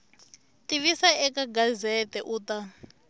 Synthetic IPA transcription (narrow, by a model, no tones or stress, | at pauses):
tiβisaɛkaɡazɛtɛʔuːta